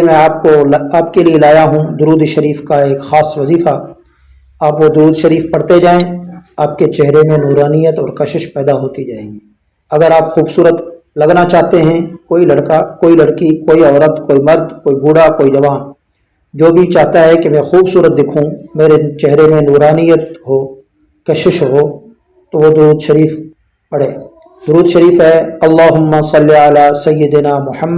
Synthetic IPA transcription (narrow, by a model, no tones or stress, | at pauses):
mɛ̃aːp̚koaːpkelielaːjaɦũd̪ʊɾuːd̪ʃɐɾiːfkaeːkxaːsʋɐziːfa | aːpʋod̪ʊɾuːd̪ʃɐɾiːfpɐɽt̪ed͡ʒaːẽaːp̚ket͡ʃɛɦɾemẽnuːɾaːnijət̪ɔːɾkɐʃɪʃpɛːd̪aɦoːt̪id͡ʒaːeːɡi | ɐɡəɾaːpxuːbsuːɾət̪ | lɐɡnat͡ʃaːɦt̪eɦɛ̃koːilɐɽkakoːilɐɽkikoːiɔːɾət̪koːimɐɾd̪koːibʱuːɽakoːid͡ʒɐʋaːn | d͡ʒoːbʱit͡ʃaːɦt̪aɦɛkemɛ̃xuːbsuːɾət̪̚d̪ɪkʰũmeːɾet͡ʃɛɦɾemẽnuːɾaːnijət̪ɦoː | kɐʃɪʃɦoː | t̪oʋod̪ʊɾuːd̪ʃɐɾiːf | pɐɽeː | d̪ʊɾuːd̪ʃɐɾiːfɦɛɐlːaːɦʊmːasɐlːiəlaːsɐjːɪd̪naːmʊħəmːə